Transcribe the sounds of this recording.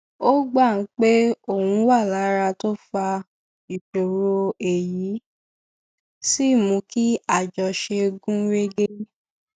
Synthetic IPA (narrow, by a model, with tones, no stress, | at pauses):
o˦ɡ͡ba˦˨n̩˨˦k͡pe˦o˦˨wũ˧˦wa˦˨la˨˦ɾa˧to˦fa˧ | i˨ʃo˨ɾo˧˦e˨ji˨˦ | si˦˨mũ˨˧˦ki˦a˦˨d͡ʒɔ˧ʃe˧ɡũ˦ɾe˦ɡe˦